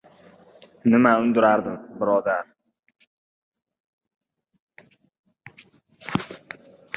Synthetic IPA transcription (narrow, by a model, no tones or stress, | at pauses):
nɪmaʊnd̪ʊɾaɾd̪ɪmbɪɾɒd̪aɾ